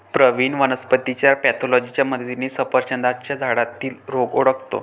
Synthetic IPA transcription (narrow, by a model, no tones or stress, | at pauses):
pɾəʋiːnʋənəspət̪it͡ɕjaɾpɛt̪ʰolɔd͡ʑit͡ɕjaməd̪ʱdjiniːsəpəɾɕənd̪at͡ɕjad͡zʱaɽat̪iːlɾoɡoɽəkt̪o̰